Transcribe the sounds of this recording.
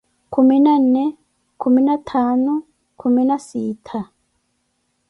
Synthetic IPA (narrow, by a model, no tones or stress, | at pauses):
kuminane | kuminatʰaːnu | kuminasiːtʰa